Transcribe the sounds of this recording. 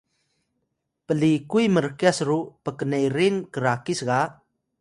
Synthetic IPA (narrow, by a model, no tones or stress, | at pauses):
pəlikujməɾkiasɾupəkənejɾinkəɾakisɣa